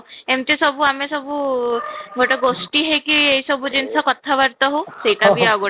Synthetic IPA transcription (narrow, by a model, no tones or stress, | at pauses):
emt̪esɔbuamɛsɔbu | ɡoʈɔɡosʈiɦekiejsɔbud͡ʒinsɔkɔt̪ʰaβaɾt̪ɔɦosejt̪abiawɡo